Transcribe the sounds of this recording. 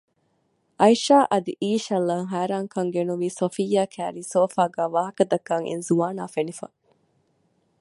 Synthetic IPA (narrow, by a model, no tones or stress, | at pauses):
ʔɐjʃaːʔɐd̪ḭʔiːʃɐlːaːŋɦæːɾaːŋkɐŋɡenuʋiːsofijːaːkʰæːɾiːsoːfaːɡæːʋaːɦɐkɐd̪ɐkːaːŋʔḛnzuaːnaːfenifɐ̰